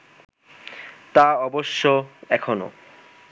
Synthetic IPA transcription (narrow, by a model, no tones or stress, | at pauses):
t̪aɔboʃːoɛkʰono̰